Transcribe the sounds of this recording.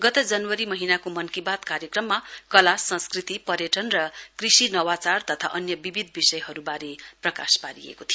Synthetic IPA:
ɡʌt̪ʌd͡zʌnwʌɾimʌɦinakomʌnkibat̪kaɾjekrʌmːakʌlasʌ̃skrit̪ipʌɾjʌʈʌnrʌkrisinʌwat͡sart̪ʌt̪ʰa̰ʔʌnjʌbibid̪ʱbisʌjɦʌɾubaɾeprʌkaspaɾiḛkot̪ʰijo

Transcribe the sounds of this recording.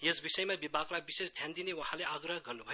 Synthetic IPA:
jesbisʌjmabibaklajbisesd̪ʱjand̪inewʌhãleaɡrʌɦɡʌrnubʱʌ

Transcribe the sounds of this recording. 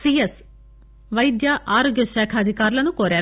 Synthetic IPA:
siːes | ʋɐjd̪jɐʔaːɾoːɡjɐʃaːkʰɐːd̪ʱikaːɾulɐnukoːɾaːɾ

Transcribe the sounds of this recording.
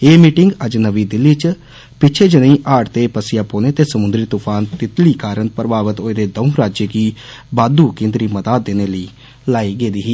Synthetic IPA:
eːmiːʈɪŋɡəd͡ʒnəʋiːd̪ɪlːiːt͡ʃ | pɪtːt͡ʃʰeːd͡ʒənĩːʔaːʈt̪eːpəsɪjaːpoːneːt̪eːsəmʊnd̪ɾɪt̪ʊpʰaːnt̪ɪt̪liːkaːɾənpɾəbaːʋət̪oːed̪eːd̪əʊ̃ɾaːd͡ʒeːkiːbaːd̪uːkẽːnd̪ɾiːmət̪aːd̪̚d̪eːneːləiː | laːiːɡeːd̪iːɦiː

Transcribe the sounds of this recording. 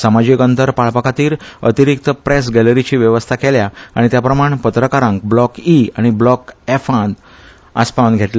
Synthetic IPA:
səmad͡ʑikənt̪əɾpaɭpəkat̪iːɾət̪iɾik̚t̪əpɾes̬ɡɛləɾit͡ɕiːʋjəʋəst̪ʰakeljaaɽ̃it̪japɾəmaɳpət̪ɾəkaɾãŋkblɔkiaɽ̃iblɔkefãnd̪ | aspawnɡʱeʈl

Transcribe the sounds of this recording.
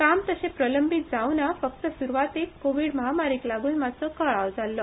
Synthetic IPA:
kamt̪əsẽpɾələmbʱit̪̚d͡zawnafək̚t̪əsuɾuʋat̪iːt̪koʋiːɽməɦamaɾiːklaɡuːnmat͡səkəɭaʋd͡zalːə

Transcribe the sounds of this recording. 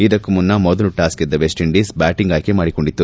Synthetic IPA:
id̪ɐkːumunːɐmɔd̪ɐluʈaːskid̪ːɐʋesʈiɳɖiːsbaːʈiŋɡaːjkemaːɽikoɳɖit̪ːu

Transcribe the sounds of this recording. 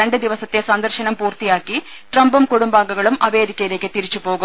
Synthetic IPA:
ɾɐɳɖɨd̪iʋɐsɐt̪ːesɐnd̪ɐrɕɐnɐmpuːrt̪ijaːkːi | ʈrɐmbumkuɽumbaːɡɐɣɐɭumʔɐʋe̞ːd̪ikʲːɐjile̞ːkːɨt̪iɾit͡ɕːupo̞ːɣum

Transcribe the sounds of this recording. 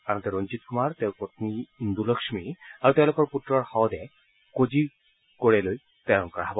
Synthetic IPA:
anɔt̪ɛɹond͡ʑit̪̚kumaɹtɛʊɹpot̪niind̪ulɔkʃmiaɹutɛʊ̃lokɔɹputːɹɔɹhɔwd̪ɛ | kod͡ʑi | koɹɛloj | tɛɹɔnkɔɹa̰ɦɔbɔ

